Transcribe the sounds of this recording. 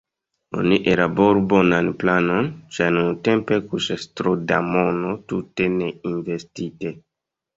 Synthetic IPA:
o̰niʔeɾaboɾbonanplanont͡ʃanuntempe̞kuʃastɾodamonotuteneinvestite

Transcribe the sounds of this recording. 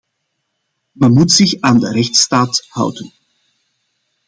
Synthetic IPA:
mɛnmutsɪxaːndəɾɛxtstaːthʌ̰wdən

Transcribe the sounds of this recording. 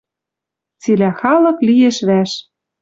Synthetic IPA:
t͡silæxɑlɤ̆klijeʃβæʃ

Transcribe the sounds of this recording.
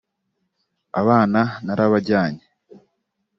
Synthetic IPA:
a̰βaːnanaɾaβaɾɟaːɲe

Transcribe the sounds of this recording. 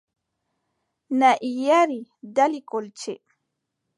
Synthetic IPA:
naʔijaɾid̪alikolt͡ʃḛ

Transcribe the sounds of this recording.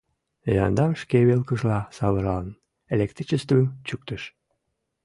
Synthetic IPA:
jɑnd̪ɑmʃkeβelkəʒlɑsɑβɤɾɑlən | elʲek̚t̪ɾit͡ɕest̪əmt͡ɕyk̚t̪əʃ

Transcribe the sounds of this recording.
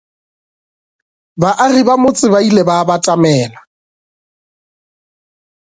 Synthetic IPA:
baʔaribamʊt͡sʼɪbailebabatʼamɛːla

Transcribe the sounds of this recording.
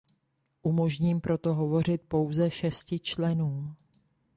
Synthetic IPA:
ʔumo̞ʒɲiːmpɾo̞t̪o̞ɦo̞vo̞r̝ɪt̪̚po̞wzɛʃɛscɪt͡ʃlɛnuː

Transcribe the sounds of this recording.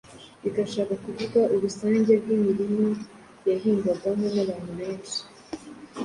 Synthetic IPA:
iɡaʃaːkakuvuɡaʔuβusaːɲɟeb̚ɡimiɾimo | jaɦiːŋɡaɡaɦonaβaːnuβeːnʃi̥

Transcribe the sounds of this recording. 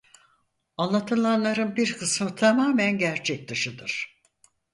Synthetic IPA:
anlˠat̪ʰɯlˠanlˠaɾɯnbiɾkʰɯsmɯt̪ʰamaːmænɟæɾt͡ʃʰɛc̚d̪ɯʃɯd̪ɯɾ̥

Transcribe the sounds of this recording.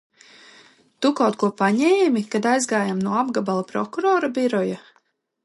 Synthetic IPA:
t̪ukawt̪kuɔpaɲɛːmikad̪ajzɡaːjamnuɔabɡabalˠapɾɔ̰kuɾɔːɾabiɾɔja

